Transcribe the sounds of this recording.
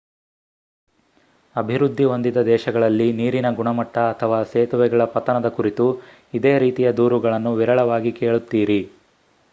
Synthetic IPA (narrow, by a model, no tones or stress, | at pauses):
ɐbʱiɾud̪ʱːio̞nd̪id̪ɐd̪ɛːʃɐɡɐɭɐlːiniːɾinɐɡuɳɐmɐʈːɐːt̪ʰɐʋaːseːt̪uʋɛɡɐɭɐpɐt̪ɐnɐd̪ɐkuɾit̪u | id̪eːɾiːt̪ijɐd̪uːɾuɡɐɭɐnːuʋiɾɐɭɐʋaːɡikeːɭut̪ːiːɾi